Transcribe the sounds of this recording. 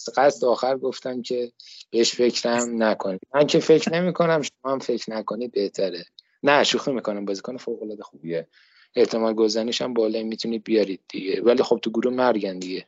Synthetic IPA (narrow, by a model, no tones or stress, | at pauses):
sɢæsleɒːxæɾɡo̞ft̪æmcʲʰe̞b̥eeʃfe̞cʰɾæmnækʰo̞nid̪̚mæncʰe̞fe̞cʰɾne̞mikʰo̞næmʃomɒːhæmfe̞cɾnæko̞nid̪̚be̞ht̪ʰæɾe | næʃuximikʰo̞næmbɒːzikɒːnefoːɣolɒːd̪e̞xubie | et̪ʰemɒːlɡozæniʃæmbɒːlɒmit̪ʰuniːd̪̚bijɒɾid̪̚d̪iɟe̞vælixob̚t̪ʰuɡuɾumæɾɟænd̪iɟe